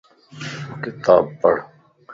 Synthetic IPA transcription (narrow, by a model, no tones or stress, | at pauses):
kɪt̪aːb̚pɐɽ